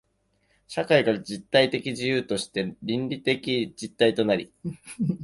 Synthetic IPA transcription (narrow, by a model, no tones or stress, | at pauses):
ɕakaikaɾd͡ʑit̪ːait̪e̞kʲid͡ʑijɯːt̪o̞ɕi̥t̪e̞ɾʲĩnɾʲit̪e̞kʲid͡ʑit̪ːait̪o̞naɾʲḭ